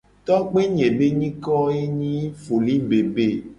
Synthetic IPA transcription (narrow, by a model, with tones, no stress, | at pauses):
t̪ɔ˦k͡pe˦ɲẽ˨be˦ɲĩ˦kɔ˦e˦ɲĩ˦fo˨li˦be˨be˦˨